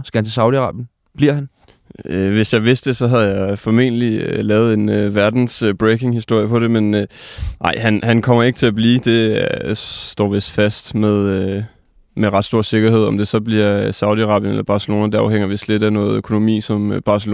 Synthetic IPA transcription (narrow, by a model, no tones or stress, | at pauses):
sɡ̥æhænt͡sʰe̝sɑ̈ʊ̥iɑʁɑ̰̈ːb̥jən | b̥liɐ̰hæn | øʋe̝sjɑ̈ɪʋe̝sd̥e̝sɒ̽ɦæð̞̩ˠjɑ̈ɪfɒ̽me̝̰nəliølɛːʊð̩ˠe̝nøʋæɐd̥n̩sb̥ʁekʰe̝ŋhisd̥o̝ɐ̰jəpʰɒ̽ɾ̥e̝men | ɑ̈ɪ̰hænhænkʰɒ̽m̰ɐe̝ɡ̥ət͡sʰe̝æb̥liːd̥e̝ | d̥ɒ̰ːʋe̝sd̥fæsd̥meðˠø | meʁɑ̈d̥sd̥o̝ɐ̰se̝ɡ̥ɐhe̝ð̞̰ˠɒ̽md̥e̝sɒ̽b̥liɐ̰sɑ̈ʊðˠiɑʁɑ̈b̥jənḛlɐb̥ɑ̈ːselo̝̰ːnæd̥eɑ̈ʊɦeŋ̰ɐʋe̝sd̥le̝d̥æɐnɔ̽ːð̩ˠøkʰo̝no̝mḭːsɒ̽mb̥ɑ̈sel